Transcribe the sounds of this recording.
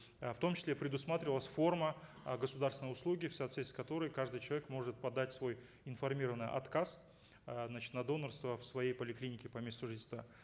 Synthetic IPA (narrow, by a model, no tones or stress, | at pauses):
ft̪o̞mt͡ɕɪ̥slʲepɾʲɪd̪ʊsmat̪ɾʲɪvəlˠəsʲfo̞rmə | ɡəsʊd̪aɾrsvɪnjʊslˠuɡʲɪfsɐːt̪vʲet̪ʲɪ̥skɐt̪o̞ɾəjkaʐd̪ɨjt͡ɕɪlˠɐvʲekmo̞ʐɨt̪̚pɐd̪ːatʲsvo̞j | ɪnfɐrmʲiɾəvənɨjʔɐ̰t̪kas | znat͡ɕɪ̥t̪nɐd̪o̞nərst̪vəfsvɐjejpəlʲɪklʲinʲɪkʲɪpɐmʲe̞st̪ʊʐɨdʲɪst̪va̰